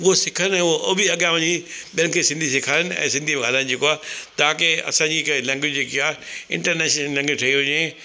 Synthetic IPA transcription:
ʊɦosɪkʰənɛ̃ːʊɦoʔobiɐɠjãʋɐ̃ɲĩɓɪə̃nɪkʰeːsɪ̃nd̪ʱisɪkʰaːɾənɪ̆ɛ̰̃ːsɪ̃nd̪ʱim̃ɡʱaːlənɪ̃̆d͡ʑeːkoaːt̪aãkeɐ̰sãɲd͡ʑikʰelɛ̃ŋɡɪd͡ʑd͡ʑeːkiaːɪ̰̃ɳʈəɾneːʃnəlɛ̃ŋɡɪd͡ʑʈʰɐiʊɲẽ

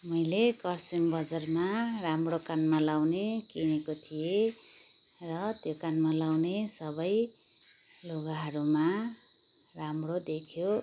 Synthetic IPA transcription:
mʌjlekʌrsiŋbʌd͡zʌrmaramrokanmalawnekinekot̪ʰije | rʌt̪jokanmalawnesʌbʌj | loɡaɦʌɾuma | ramrod̪ekʰjo

